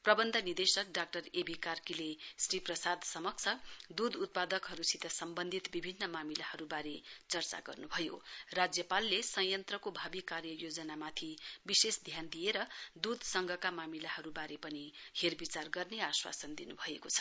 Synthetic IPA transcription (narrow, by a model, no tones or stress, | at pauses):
prʌbʌnd̪ʱʌnird̪esʌk̚ɖak̚ʈʌrebʱikarkilesriprʌsad̪ʱsʌmʌk̚t͡sʰʌd̪ud̪ut̪̚pad̪ʌkɦʌɾusit̪ʌsʌmbʌnd̪ʱit̪bibʱinːʌmamilahʌɾubaɾet͡sʌrt͡sa̰ɡʌ̰rnubʱʌjo̰rad͡zjʌpalːesʌjʌnt̪rʌkobʱabikarjʌjod͡zʌnamat̪ʰibisesd̪ʱjand̪ijeɾʌd̪ud̪ʱsʌŋɡʱʌkamamilahʌɾubaɾepʌniherbit͡sarɡʌrneaswa̰sʌnd̪inubʱʌekot͡sʰʌ̥